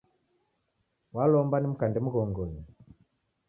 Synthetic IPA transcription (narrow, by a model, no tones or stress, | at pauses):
walɔmbanim̩kandɛmuɣɔŋɡɔɲi